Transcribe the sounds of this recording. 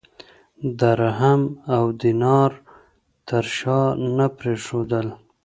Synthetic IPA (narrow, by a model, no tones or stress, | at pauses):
d̪aɾɦamawd̪inɑɾ | t̪əɾʃɑnapɾeʂod̪əl